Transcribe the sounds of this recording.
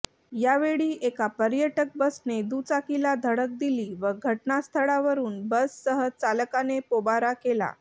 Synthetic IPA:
jaʋeɭiːʔekapəɾjəʈək̚bəsned̪ut͡sakilad̪ʱəɽək̚d̪iliːʋəɡʱəʈnast̪ʰəɭaʋəɾuːnbəsːəɦət͡saləkanepobaɾakela̰

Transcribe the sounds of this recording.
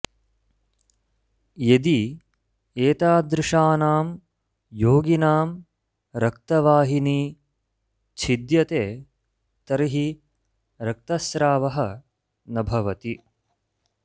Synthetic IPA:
jed̪i | eːt̪aːd̪ɾɪʂaːnaːm | joːɡinaːm | ɾɐk̚t̪ɐʋaːɦiniː | t͡ʃʰid̪jɐt̪eː | t̪ɐɾiɦi | ɾɐk̚t̪ɐsɾaːʋɐɦɐ | nɐbʱɐʋɐt̪i

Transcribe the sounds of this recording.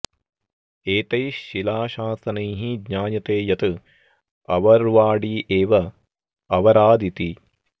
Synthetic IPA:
eːt̪ɐjʃilaːʃaːsɐnɐjɦiɡɲaːnjɐt̪eːjɐt̪ɨ | ɐʋɐɾʋaːɽiʔeːʋɐ | ɐʋɐɾaːd̪it̪i

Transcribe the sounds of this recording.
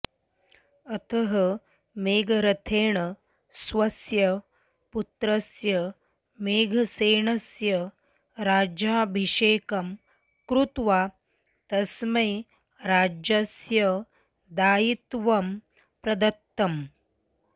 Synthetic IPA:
ɐt̪ʰɐɦɐ | meːɡʱɾɐt̪ʰeːɳə | sʋɐsjɐ | put̪ɾɐsjɐ | meːɡʱɐseːɳɐsjɐ | ɾaːd͡ʒjaːbʱiʂeːkɐm | kɾut̪ʋaː | t̪ɐsme | ɾaːd͡ʒɐsjɐ | d̪aːjit̪ʋɐm | pɾɐd̪ɐt̪ːɐm

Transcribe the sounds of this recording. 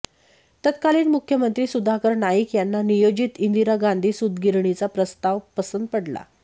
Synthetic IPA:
t̪ət̪̚kaliːnmukʰːjəmənt̪ɾiːsud̪ʱakəɾnaikjanːanijod͡ʑit̪ind̪iɾaɡãnd̪ʱiːsud̪ɡiɾɳit͡sapɾəst̪aʋpəsənd̪̚pəɽla̰

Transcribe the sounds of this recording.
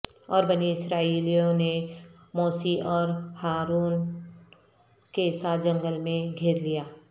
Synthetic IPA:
ɔːɾbəniɪsɾaːiːlijõne | mɔːsiʔɔːɾhaːɾuːn | kesad͡ʒɐ̃ŋɡəlmẽɡʱeːɾlijaː

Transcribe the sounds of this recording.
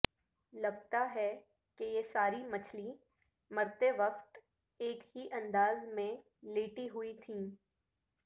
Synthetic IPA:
lɐɡt̪aɦɛ | kejesaːɾimɐt͡ʃʰli | mɐɾt̪eʋɐqt̪ | eːkɦiʔɐ̃nd̪aːzmẽ | leːʈiɦʊit̪ʰĩː

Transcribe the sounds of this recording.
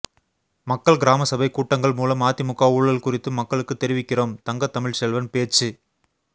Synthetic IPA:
mɐkːɐɭɡɪɾaːmɐsɐbɐɪkːuːʈːɐŋɡɐɭmuːlɐmːaːt̪ːɪmʊkːaːuːɻːɐlkʊrɪt̪ːɯmːɐkːɐɭɯkːɯt̪ːɛɾɪʋɪkːɪroːmt̪ɐŋɡɐt̪ːɐmɪɻsɛlʋɐnpeːt͡ʃːɯ

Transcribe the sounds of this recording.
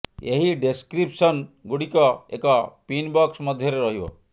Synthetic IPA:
eɦiɖeskɾipsɔnɡuɽikɔḛkɔpinbɔksmɔd̪ʱjɔɾeɾɔɦibɔ̰

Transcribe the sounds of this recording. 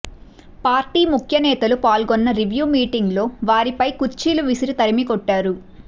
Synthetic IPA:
paːɾʈiːmukʰjɐnɛːt̪ɐlupaːlɡɔnːɐɾiʋjuːmiːʈiŋɡlo̞ːʋaːɾipɐjkuɾt͡ʃiːluʋisiɾit̪ɐɾimikɔʈːaːɾu

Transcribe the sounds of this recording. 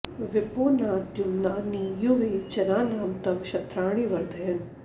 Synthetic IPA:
ʋɪpoːnaːt̪jumnaːnijuʋeːt͡ʃɐnaːnaːmt̪ɐʋʃɐt̪ɾaːɽ̃iːʋɐɾd̪ʱɐjɐn

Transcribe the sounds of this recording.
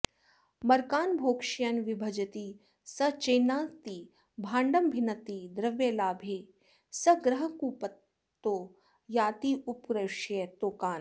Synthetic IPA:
mɐɾkaːnbʱoːkʃjɐnʋɪbʱɐd͡ʒɐt̪iː | sɐt͡ʃeːnaːt̪iː | bʱãːɳɖɐmbʱɪnɐt̪iːd̪ɾɐʋjeːlaːbʱeː | sɐɡɾɐɦɐkuːpɐt̪ː | oː | jaːt̪iːupkɾɐʃjet̪oːkaːn

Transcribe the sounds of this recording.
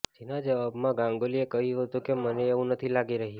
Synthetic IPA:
d͡ʒinad͡ʒeəbmãɡãŋɡoliekəɦjũɦət̪ũkeməneːʋũnət̪ʰilaɡiɾəɦi

